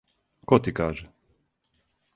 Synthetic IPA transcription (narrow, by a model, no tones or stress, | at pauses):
kɔt̪ikaːʒɛ